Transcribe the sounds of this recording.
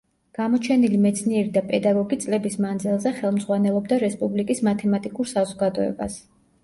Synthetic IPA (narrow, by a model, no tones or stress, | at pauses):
ɡ̥amɔt͡ʃʰɛnilimɛt̪sʰniɛɾid̪apʼɛd̪aɡɔɡit̪sʼlɛbismand̪zilˠzɛχɛlˠmd̪zʁwanɛlˠɔb̚d̪aɾɛspʼublikʼismat̪ʰɛmat̪ʼikʼuɾsazɔɡad̪ɔɛ̰ba̰s